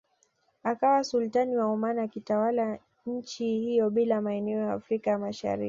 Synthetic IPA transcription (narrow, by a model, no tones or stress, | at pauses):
akawasultaniwaɔmanakitawala | ɲ̩t͡ʃihijɔɓilamaɛnɛɔjaːfɾikajamaʃa̰ɾḭk